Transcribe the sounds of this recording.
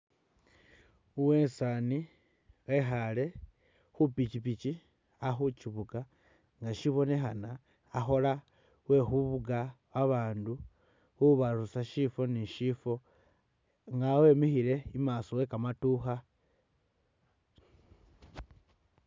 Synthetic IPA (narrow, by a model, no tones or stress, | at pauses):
uwe̞ːnsani | we̞xale̞ | xupit͡ʃipit͡ʃi | axut͡ʃiβuka | ŋɡaʃiβo̞ne̞xanaː | xo̞la | we̞xuβuɡaβaβaːndu | uβaɾusaʃifo̞niʃifo̞ | ŋɡawe̞mixile̞imasowe̞kamatuxa